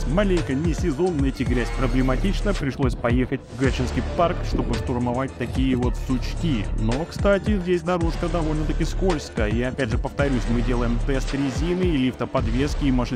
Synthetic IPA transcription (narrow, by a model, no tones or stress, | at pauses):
mɐlʲejkənʲɪsʲɪzo̞nːɛtʲɪɡɾʲæsʲpɾəblʲɪmɐtʲit͡ɕnəpɾʲɪʂlˠo̞sʲpɐjexətʲvɡɾʲat͡ɕɨnskʲijparkʂt̪o̞bɨʂt̪ʊrmɐvat̚ʲt̪ɐkʲijəvo̞t̪sʊt͡ɕkʲino̞kst̪atʲɪzʲdʲesʲnɐɾuʂkəd̪ɐvo̞lʲnət̪ɐkʲɪskolʲskəjəijaɐpʲædʲʐɨpəft̪ɐɾʲusʲmɨdʲe̞lˠəjɪmt̪ɛst̪ɾʲɪzʲinɨilʲift̪əpɐd̪vʲe̞skʲɪːmɐʂɨ